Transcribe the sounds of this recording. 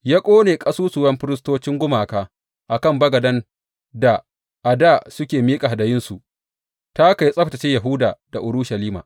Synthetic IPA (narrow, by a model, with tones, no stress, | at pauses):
jaː˦kʷʼoː˦neː˨kʼɐ˦suː˦sʊ˨wɐ˦mɸɪ˦ɾɪ˦s̬toː˦t͡ʃɪ˦ŋɡʷʊ˦maː˨kaː˦ | ʔa˨kɐ˦˨mbɐ˦ɡɐ˨dɐ˦n | da˨ | ʔa˨daː˦˨sʊ˦kʲeː˨miː˦kʼa˨a˨dɐ˨jɪ˦nsu˨ʔ | ta˦ka˨jsʼɐ˦ɸtɐ˨t͡ʃe˦ja˨ɦʊ˦daː˨d̥a˨ʔʊ˨ɾu˦ʃɐ˨liː˦ma̰ː˨ʔ